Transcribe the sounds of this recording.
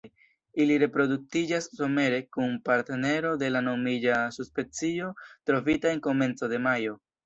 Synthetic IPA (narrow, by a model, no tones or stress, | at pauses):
iliɾe̞pɾo̞duk̚tid͡ʒasːo̞me̞ɾe̞kunpaɾtene̞ɾo̞de̞lano̞mid͡ʒasuspe̞nt͡sio̞tɾo̞fitae̞ŋko̞me̞nt͡so̞de̞majo̞